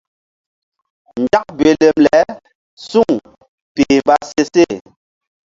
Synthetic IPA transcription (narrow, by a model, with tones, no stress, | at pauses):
nd͡ʒa˦k̚be˨le˨mlɛ˨˦ | su˦˨ŋ | peː˨ba˦se˦se˦˨